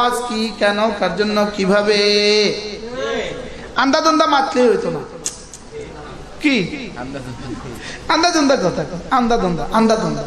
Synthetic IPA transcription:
ad͡ʒkikɛnɔkaɾd͡ʒɔnːɔkibʱabe | and̪ad̪ɔnd̪amat̪leɦojt̪ɔna | ki | and̪ad̪ɔnd̪akɔt̪ʰakɔand̪ad̪ɔnd̪aʔand̪ad̪ɔnd̪a

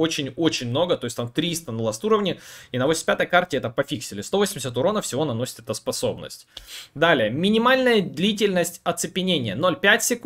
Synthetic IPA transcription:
ot͡ɕɪnʲo̞t͡ɕɪnʲmno̞ɡət̪o̞jsʲt̪amt̪ɾʲist̪ənəlˠast̪uɾəvnʲɪinəvosʲsʲpʲat̪əjkartʲɪɛt̪əpɐfʲiksʲɪlʲɪst̪o̞vosʲmʲɪs̬ʲat̪ʊɾo̞nəfsʲɪvo̞nɐno̞sʲɪ̥t̪ɛt̪əspɐso̞bnə̰sʲtʲd̪alʲɪjəmʲɪnʲɪmalʲnəjəd̪lʲitʲɪlʲnəsʲtʲɐt̪sɨpʲɪnʲenʲɪjəno̞lʲpʲætʲsʲɪk

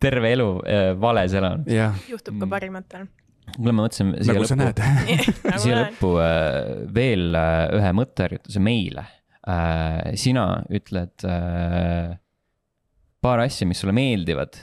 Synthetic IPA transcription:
t̪e̞rveeluvɑleselɑnɑjuht̪u̥kɑpɑɾimɑt̪ːˑel | kylɑmɑmɤt̪ːˑsinsiːesɑnæːt̪ | siːjelɤpːu | ve̞ːlyɦemɤt̪ːˑeæɾjṵt̪ːˑu̥seme̞jlḛ | sinɑ̰yt̪ːˑled̪̥ | pɑːɾɑsʲjɑmisːulːeme̞ːld̪ivɑ̰d̪̥

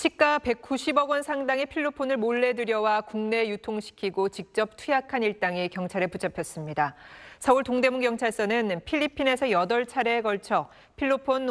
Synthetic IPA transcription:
ɕʰik͈ape̞k̚k͈uɕʰibʌɡwʌnsʰaŋdaŋipʰiɭːopʰonɯɭmoɭːe̞dɯɾjʌwakuŋne̞jutʰoŋɕʰi̥kʰiɡot͡ɕik̚t͡ɕ͈ʌp̚tʰujakʰaniɭt͈aŋikjʌŋt͡ɕʰaɾeput͡ɕʰapʰjʌs͈ɯmɲidasʰʌuɭtoŋde̞muŋkjʌŋt͡ɕʰaɭs͈ʌnɯnpʰiʎːipʰine̞sʰʌjʌdʌɭt͡ɕʰaɾe̞ɡʌɭt͡ɕʰʌ | pʰiɭːopʰon

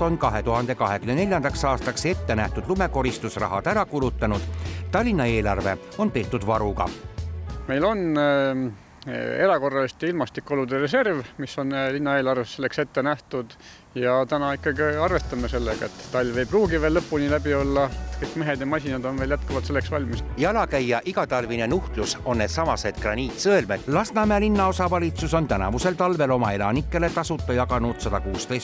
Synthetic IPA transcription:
o̞nkɑɦe̞t̪uɦɑnd̪̥e̞kɑɦekymːene̞lʲjɑnd̪̥ɑksɑːst̪ɑkse̞t̪ːe̞næht̪ud̪̥lume̞ko̞ɾist̪usrɑ̰ɦɑ̰d̪æɾɑkulut̪ːˑɑnud̪̥t̪ɑlʲːinɑe̞ːlɑrve̞̰ | o̞npe̞ːt̪ːˑud̪vɑɾuɡɑ̰ | me̞jlo̞n | e̞ɾɑko̞rːɑlist̪iilmɑst̪ikːo̞lud̪erese̞rvmisːo̞nlinːɑe̞ːlɑrvesse̞lːe̞kse̞t̪ːe̞næht̪ud̪̥ | jɑt̪ænɑikːˑɑɡiɑrve̞st̪ɑmese̞lːeɡ̥ɑ̰et̪ːɑlʲːve̞jbruːɡive̞ːlːɤpːˑunilæbio̞lːɑet̪kɤjkmeɦe̞d̪jɑmɑsʲinɑd̪o̞nveːljæt̪kɑvɑlt̪se̞lːeksvɑlʲmisjɑlɑkæjːɑʔiɡ̥ɑt̪ɑlvinenuht̪luso̞nːed̪̥sɑmɑse̞d̪̥krɑnʲiːt̪sɤelme̥lɑsnɑmeɑlinːɑo̞sɑvɑlʲit̪suso̞nt̪ænɑ̰vuse̞lt̪ɑlve̞lo̞mɑe̞lɑnikːˑe̞le̞t̪ɑsut̪ːˑɑjɑkɑnud̪̥sɑd̪̥ɑkuːst̪ejs

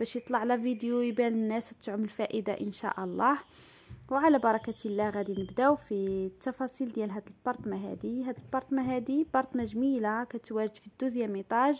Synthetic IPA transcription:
b̥æʃjət̪ˤlɑʕlævid̪jujbælənːæswt̪ːʕʊməlfæʔəd̪aʔənʃæ̰ʔɑlˤːɑh | wʕalæbɑɾˤɑkæt̪ilːæɣæd̪inəbd̪æwfit̪ːɑfɑsˤild̪jælɦæd̪əlb̥ɑɾˤt̪maɦæ̰d̪iɦæd̪əlbɑɾˤt̪maɦæd̪ibɑɾˤt̪mæʒəmilakæt̪wæʒəd̪fid̪ːuzjæmit̪ˤɑʒ

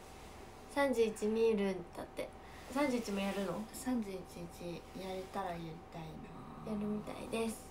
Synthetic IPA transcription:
sãɲ̟d͡ʑɨːit͡ɕimʲiɾɯ̟̃nd̪̥a̰t̪ːe | sãɲ̟d͡ʑɨit͡ɕimo̞jaɾɯ̟no̞sãɲ̟d͡ʑɨːit͡ɕiːt͡ɕijaɾet̪aɾajaɾʲit̪ai | jaɾɯ̟mʲit̪a̰ḭd̪e̞sɨ̥

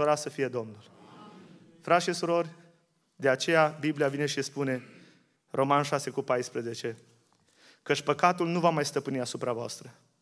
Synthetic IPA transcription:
oɾasəfije̞d̪o̞mnul | fɾat̪ʃisuɾo̞rʲ | d̪e̞at͡ʃe̞jabibliavine̞ʃispune̞ | rʔo̞manʃase̞kupajspɾəze̞t͡ʃe̞ | kət͡ʃʲpəkat̪ulnuvamajst̪əpɨniasupɾavoa̰st̪ɾə

